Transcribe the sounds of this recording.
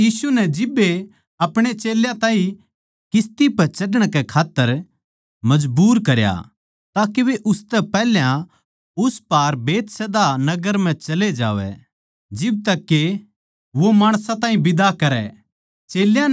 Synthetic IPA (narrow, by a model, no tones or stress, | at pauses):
iːsunɛd͡ʒɪbːe | ɐpɽ̃et͡ʃeːljãt̪ãːĩ | kɪst̪ipɐt͡ʃɐɖəɽ̃kɛkʰaːt̪ːəɾ | mɐd͡ʒbuːɾkɐɾja̰ | t̪aːkeʋeʔʊst̪ɛpɛːɦljã | ʊspaːɾbeːt̪sɛd̪anɐɡəɾm̤ɛ̃t͡ʃɐled͡ʒa̰ːʋɛ̰ | d͡ʒɪb̚t̪ɐkːe | ʋomaːɽ̃sãt̪ãːɦĩbɪd̪akɐɾɛ̰ | t͡ʃeːljã